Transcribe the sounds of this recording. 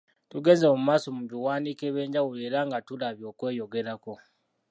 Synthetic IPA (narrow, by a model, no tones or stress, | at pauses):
tuɡe̞ːnzeomumaːso̞muβiwaːnikeβe̞ːɲɟawole̞ːɾaŋɡatulaβjo̞ːkwe̞ːjo̞ɡe̞ɾako̞